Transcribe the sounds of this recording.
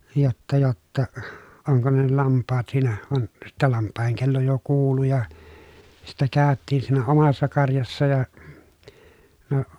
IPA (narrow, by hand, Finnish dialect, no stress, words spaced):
jotːɑ jotːɑ oŋko ne ne lɑmpːɑːt siːnæ ʋɑn sitːæ lɑmpːɑˑeheŋ kelːo jo kuːlu jɑ sitːæ kæˑøtːiːn siːnæ omɑsːɑ kɑrjɑsːɑ jɑ no